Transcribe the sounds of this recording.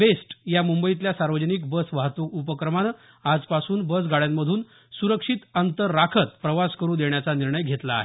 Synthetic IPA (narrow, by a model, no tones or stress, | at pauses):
besʈjamumbəit̪ljasaɾʋəd͡ʑəniːk̚bəsʋaɦt̪uupəkɾəman | ad͡zpasuːnbəs̬ɡaɭjamːəd̪ʱuːn | suɾəkʂit̪ənt̪əɾːakʰət̪pɾəʋaskəɾuːd̪eɳjat͡saniɾɳəjɡʱet̪la̰ːɦe